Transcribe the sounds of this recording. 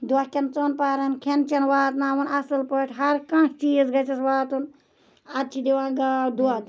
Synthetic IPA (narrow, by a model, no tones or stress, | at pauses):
d̪uakʲɐnt͡sonpaːɾɐnkʰent͡ʃɐnʋaːt̪naːwɐnɐsɨlpəʈʰɦɐɾkãːst͡ʃiːzɡɐt͡ʃɐsʋaːt̪un | ɐt͡ʃʰid̪iwãːɡaːwd̪uad̪